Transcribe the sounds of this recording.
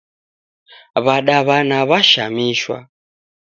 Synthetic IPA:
βaɗaβanaβaʃa̰miʃwa̰

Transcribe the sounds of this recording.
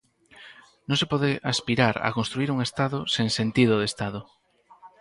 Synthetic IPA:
nõŋsepɔðeʔaspiɾaɾa̰kõnst̪ɾuiɾuŋest̪aðosẽŋsent̪iðʊðest̪aðʊ

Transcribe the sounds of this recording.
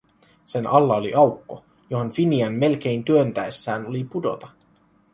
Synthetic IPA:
se̞nʔɑlːɑoliʔɑwkːo̞ | jo̞ɦo̞nfiniɑnːe̞lk̟e̞jnt̪yønt̪æesːæːno̞lipudo̞̰t̪ɑ

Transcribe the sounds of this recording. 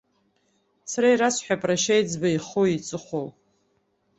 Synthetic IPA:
sʰaɾaiɾasħʷᶣapʼraʃajd͡zbaiχoit͡sʼɨχʷow

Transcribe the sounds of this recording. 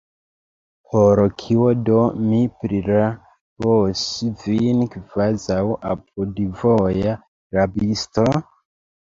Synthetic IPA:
pʰoɾkʰiodomipɾiɾa | bosivinkvazawʔap̚udvoja | ɾabisto

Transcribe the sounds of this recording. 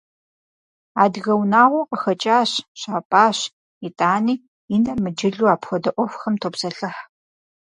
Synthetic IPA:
aːdɣɐwnaːʁʷɔqəxɐt͡ʃʼaːɕɕaːpʼaːɕ | itʼaːniː | inɐrmɨd͡ʒɪɮuːaːpxʷɔdɐʔʷɔfxɐmtʰoːpsɐɬɨħ

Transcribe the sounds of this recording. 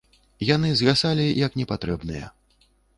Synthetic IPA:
janɨzɣasalʲijɐknʲɛpat̪ɾɛbnɨjɛ̰

